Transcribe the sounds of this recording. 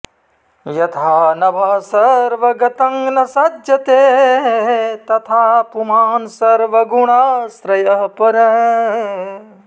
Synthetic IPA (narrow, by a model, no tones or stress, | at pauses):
jɐt̪ʰaːnɐbʱaːsɐɾʋɐɡɐt̪ɐŋlɐsɐdjɐt̪eːɦɦt̪ɐt̪ʰaːpumaːnsɐɾʋɐɡuɽ̃aːsɾɐjɐɦpɐɾɐɦ